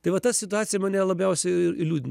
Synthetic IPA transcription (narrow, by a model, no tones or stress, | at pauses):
t̪ɐɪʋɐt̪ɐssʲɪt̪ʊɑːsʲɪjɛmɐːnʲɛːlˠɐbʲɛʊsʲɛɪɪɪlʲuːd̪ʲn